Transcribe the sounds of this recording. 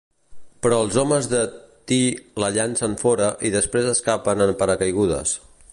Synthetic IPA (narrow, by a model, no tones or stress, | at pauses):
pɾɔəlˠzɔməzðət̪iləʎansəɱfɔɾəʔiðəspɾezəskapənəmpəɾəkəjɣ̞uðə̰s